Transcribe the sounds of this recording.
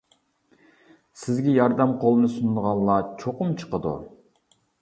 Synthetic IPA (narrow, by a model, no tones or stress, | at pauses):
sɪzɡʲɛjɑɾd̪ɛmqʰolˠɨnɨsund̪əʁɑnˠɑt͡ʃʰoqʊmt͡ʃʰə̥qəd̪ṵ